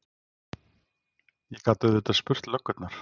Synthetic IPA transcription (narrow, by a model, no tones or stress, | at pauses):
jɛkʰat̪ʏðɪt̪aðspʏr̥t̪lœkːʏt̪naɾ̥